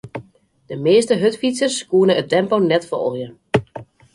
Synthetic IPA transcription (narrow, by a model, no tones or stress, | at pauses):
d̥əmeːstəɦøtfitsərskuənəət̚tɛmpownɛtfɔ̰lˠjə